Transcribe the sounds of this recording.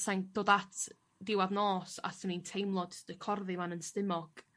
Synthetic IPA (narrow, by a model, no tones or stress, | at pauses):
saŋd̥oːdatʰ | dɪwaðnɔːsa̰sənintʰejmlˠɔd̥d̥əkʰɔrðɨvanənstɪmɔɡ̥